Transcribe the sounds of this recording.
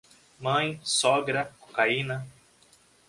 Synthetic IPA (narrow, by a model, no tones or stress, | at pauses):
mɐ̃j̃sɔɡɾɐko̥kainɐ